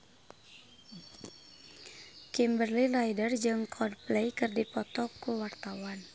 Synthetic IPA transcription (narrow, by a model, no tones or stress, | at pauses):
kimbərlilajdərd͡ʒɨŋkʰɔdplejkɨrdipɔt̪ɔkːuwart̪awan